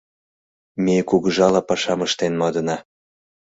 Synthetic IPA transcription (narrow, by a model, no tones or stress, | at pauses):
mekuɣəʒɑlɑpɑʃɑməʃt̪enmɑd̪ɤ̆nɑ